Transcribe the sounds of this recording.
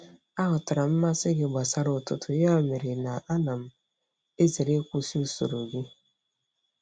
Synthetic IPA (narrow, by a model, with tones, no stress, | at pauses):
a˦ɦʊ˨tʊ˨ɾa˨m̩˦ma˦sɪ˦ɡɪ˦ɡ͡ba˨sa˦ɾʊ˨tʊ˦tʊ˦ja˦˨me˨ɾe˨na˨a˦na˨m̩˦ | e˦ze˨ɾe˦kʷu˦si˦u˦so̰˨ɾo˨ɡi˦